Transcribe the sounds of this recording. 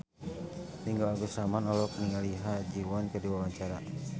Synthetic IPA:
niŋɡalaɡusamanɔlɔk̚niŋaliɦad͡ʒiwɔnkədiwawaɲt͡ʃaɾa

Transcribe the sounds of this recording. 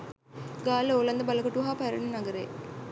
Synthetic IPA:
ɡaːloːlɐnd̪əbalɐkoʈuɦaːpæɾɐnənaɡəɾḛː

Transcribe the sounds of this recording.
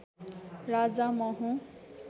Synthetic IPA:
rad͡zamʌɦũ

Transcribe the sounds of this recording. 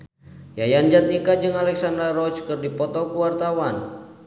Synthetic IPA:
jajand͡ʒat̪̚ikad͡ʒɨŋalɛksandarɔt͡ʃkɨrdipɔt̪ɔkuwart̪awan

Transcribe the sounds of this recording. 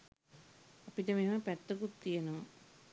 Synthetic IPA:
apiʈəmeməpæt̪ːəkut̪ːijəno

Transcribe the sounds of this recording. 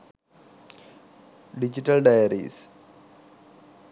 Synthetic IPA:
ɖid͡ʑiʈɐlɖajɐɾḭːs

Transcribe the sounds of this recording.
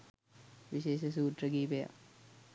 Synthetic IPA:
ʋiɕeːʃəs̬uːʈ̪rəɡiːpeja̰

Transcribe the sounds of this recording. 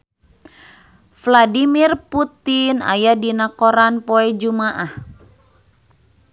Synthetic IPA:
fladimirput̪ina̰jadinakoɾanpoɛd͡ʒumaʔah

